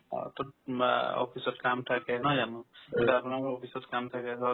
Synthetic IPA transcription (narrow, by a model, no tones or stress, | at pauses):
t̪ɔ | ɔ̰pʰisɔtkamtʰakɛnɔd͡ʒanuetaapnaɔpʰisɔtkamtʰakɛsʰɔ